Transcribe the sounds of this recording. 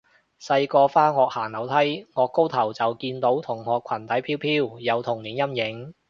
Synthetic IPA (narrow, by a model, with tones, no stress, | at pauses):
sɐ˧jkɔː˧faː˥hɔː˨k̚haː˨˩ŋlɐ˨˥wt̪ʰɐ˥jŋɔː˨˧kːo˥wt̪ʰɐ˨˩wt͡sɐ˨wkiː˧nt̪o˨˥wt̪ʰʊ˨˩ŋhɔː˨kʷʰwɐ˨˩nt̪ʰɐ˨˥jpʰiː˥wpʰiː˥wjɐ˨˧wt̪ʰʊ˨˩ŋniː˨˥njɐ˥mjɪ˨˥ŋ